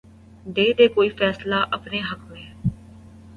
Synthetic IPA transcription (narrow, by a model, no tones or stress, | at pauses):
d̪eːd̪eːkoːiːpʰɛːslaːʔəpneːɦəkmẽː